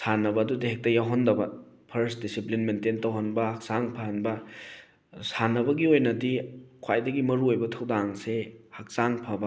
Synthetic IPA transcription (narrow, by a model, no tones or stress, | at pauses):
sanɐbɐːdudɐɦek̚tɐjawɦondɐbɐ | pʰɐɾsdisiplinmententɐwɦonbɐhɐk̚saŋpʰahɐnbɐ | sanɐbɐɡiojnɐdikʰwajdɐɡimɐɾuojbɐtʰɐwdaŋsehak̚saŋpʰɐbɐ